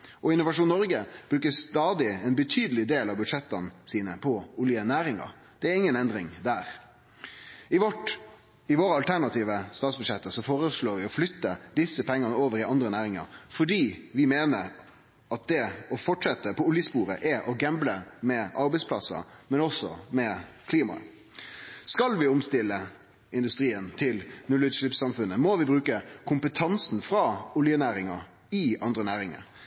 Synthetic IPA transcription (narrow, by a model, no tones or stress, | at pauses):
ʔɔɪnːʊʋɑʂuːnːɔɾɡəb̥ɾʉːkəst̪ɑːd̪ɪɛnbət̪ʰyːd̪əlɪd̪eːlɑbʉd̪ʂɛt̪ːɑnsiːnəpʰɔʊljənæːɾɪŋɑ̰ɾ | d̪̥ɛæɾɪŋːənɛnd̪ɾɪŋd̪æːɾ | ɪʋɔʈ | ɪʋoːɾəɑlt̪ʰæʁnɑt̪iːʋəst̪ɑːt̪sbʉd̪ʂɛt̪ːəsɔfoːɾəsloːɾʋɪɔflʏt̪ːəd̪ɪsːəpʰɛŋːɑnəoːʋəɾɪɑnd̪ɾənæːɾɪŋɑ̰ɾfɔɖiːʋɪmeːnəɾ | ɑt̪̚d̪ɛɔfɔʈʂɛt̪ːəpʰɔʊljəspuːɾə̰ʔɛʔɔɡɛmbləmɛʔɑɾbɛɪspʰlɑsɑ̰mɛnɔsɔ̰mɛkʰliːmɑ̰ | skɑlʋɪʊmst̪ɪlːə | ɪnd̪ʉst̪ɾiːənt̪ʰɪlnʉlːɪd̪ʂlɪpsɑmfʉnːəmɔʋɪbɾʉːkəkʰʊmpət̪ʰɑnsn̩fɾɑʊljənæːɾɪŋɑ | ɪʔɑnd̪ɾənæːɾɪŋɑ̰ɾ